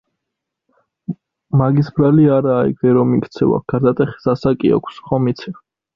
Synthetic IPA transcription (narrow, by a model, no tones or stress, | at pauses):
maɡisbɾaliaɾaːɛ̰ɡɛɾɔmikʰt̪sʰɛva̰ɡ̥aɾd̪at̪ʼɛχi̥sasakʼia̰kʷʰsχɔmit̪sʰɛ